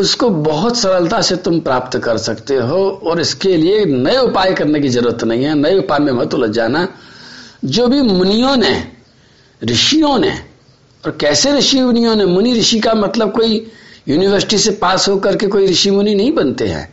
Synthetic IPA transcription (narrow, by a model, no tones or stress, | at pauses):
ʊskobɐɦʊt̪sɐɾəlt̪aset̪ʊmpɾaːpt̪kɐɾsɐkt̪eɦoɔːɾɪskelienɐeʊpaːjkɐɾnek̬izɐɾuːɾət̪nɐɦĩɦɛnɐeʊpaːmẽmɐɦət̪əlɐd͡ʒaːna | d͡ʒoːbʱimʊnijõnḛ | ɾɪʃijõnḛ | ɔːɾkɛːseɾɪʃimʊnijõnemʊniɾɪʃikamɐt̪ləb̚koːijuːnɪʋəɾsɪ̥ʈisepaːsɦokɐɾkekoːiɾɪʃimʊninɐɦĩbɐnt̪ḛɦɛ̰̃ː